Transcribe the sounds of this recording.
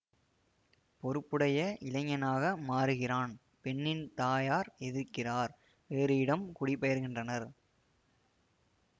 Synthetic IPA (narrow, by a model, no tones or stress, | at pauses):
pɔɾɯpːɯɽɐjɐʔɪlɐŋɐnaːɣɐmaːɾɯɣɪraːn | pɛɳːɪnt̪aːjaːɾɛðɪɾkɪraːɾ | ʋeːɾɯjɪɽɐmkʊɽɪpːɛjɐɾɣɪndrɐnɐɾ